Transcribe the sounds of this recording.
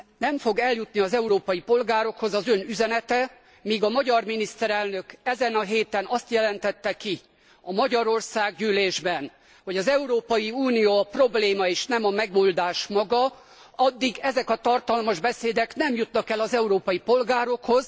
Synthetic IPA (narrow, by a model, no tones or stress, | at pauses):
nɛmfo̞ɡɛljut̪niɒzɛuɾoːpɒjipo̞lɡaːɾo̞kho̞zɒzø̞nyzɛnɛt̪ɛ | miːɡɒmɒɟɒrminist̪ɛɾɛlnø̞kɛzɛnɒɦeːt̪ɛnɒst̪jɛlɛnt̪ɛt̪ːɛki | ɒmɒɟɒɾo̞rsaːɡɟyːleːʒbɛn | ho̞ɟɒzɛuɾoːpɒjiuːnijoːɒpro̞bleːmɒeːʃnɛmɒmɛɡoːld̪aːʃmɒɡɒ | ɒd̪ːiɡɛzɛkɒt̪ɒrt̪ɒlmɒʒbɛseːd̪ɛknɛmjut̪nɒkɛlɒzɛuɾoːpɒjipo̞lɡaːɾo̞kho̞z̥